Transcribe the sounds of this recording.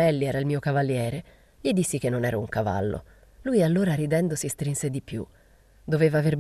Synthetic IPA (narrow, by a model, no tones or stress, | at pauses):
ɛlːiɛːɾailmiːokavalːjɛːɾe | ʎed̪isːik̟enːonɛːɾauŋkava̰lːo̰ | lujalːoːɾaɾid̪ɛnd̪osist̪ɾinsed̪ipjṵ | d̪oveːvaːverb